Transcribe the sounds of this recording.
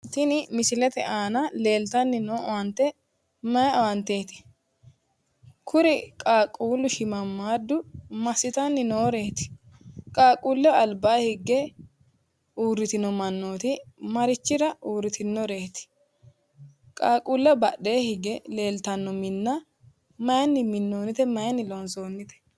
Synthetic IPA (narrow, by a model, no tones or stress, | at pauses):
t̪ɪnɪmɪsɪlɛt̪ɛʔaːnɐle̞ːlt̪ɐnːɪnoːʔɔwɐnt̪ːɛ | mɐjɐɔwɐnt̪e̞ːt̪ɪ̥ | kʰʊɾɪkʼaːkʼːuːlːʊʃɪmɐmːaːd̪ʊmɐsɪt̪ɐnːɪnoːɾe̞ːt̪ɪ̥ | kʼaːkʼuːlːɛɐlbaːhɪɡːɛ | uːrːɪt̪ɪnɔmɐnːo̞ːt̪ɪmɐɾɪt͡ʃːɪɾɐʔuːɾːɪt̪ɪnːɔɾe̞ːt̪ɪ̥ | kʼaːkʼuːlːɛbɐɗe̞ːhɪɡɛle̞ːlt̪ɐnːɔmɪnːɐ | mɐjɐnːɪmɪnːo̞ːnːɪt̪ɛmɐjɐnːɪlɔnso̞ːnːɪt̪ɛ̥